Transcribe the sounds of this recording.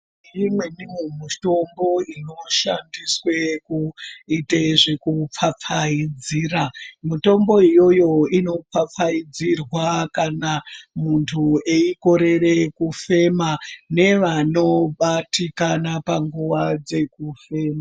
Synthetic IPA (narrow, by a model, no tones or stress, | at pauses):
imwenimwemitombo̞ino̞ʃandiswekuiteʐekup͡fap͡faid͡ziːramito̞mbo̞ijo̞jo̞ino̞p͡fap͡faid͡zirwakanamuntʰue̞iko̞ɾe̞re̞kufe̞mane̞ʋano̞ɓatikanapaŋɡuʋad͡ze̞kufe̞ːma